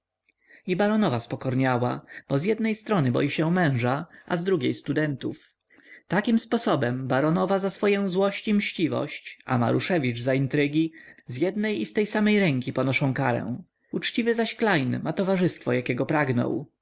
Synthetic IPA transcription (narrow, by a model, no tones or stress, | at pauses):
ibaɾɔnɔvaspɔkɔɾɲawab̥ɔzjɛd̪nɛjst̪ɾɔnɘbɔ̰jiɕɛmɛ̃w̃ʐaʔa̰zd̪ɾuɡʲejst̪ud̪ɛnt̪uf | t̪akʲimspɔsɔbɛmbaɾɔnɔvazasfɔjɔ̃w̃zwɔɕt͡ɕimɕt͡ɕivɔ̰ɕt͡ɕʔa̰ma̰ɾuʂɛvʲiʐzaint̪ɾɘɡʲizjɛd̪̚nɛjist̪ɛjsamɛjɾɛŋkʲipɔnɔʂɔ̃w̃kaɾɛ̰w̃ | ut͡ʂt͡ɕivɘzaɕklajnmat̪ɔvaʐɘst̪fɔjakʲɛɡɔpɾaɡnɔ̰w